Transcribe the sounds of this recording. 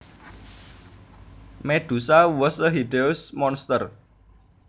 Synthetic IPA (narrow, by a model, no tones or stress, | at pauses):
meɖ̪̥ṳsawɔsd̪əɦidelsmɔnst̪ər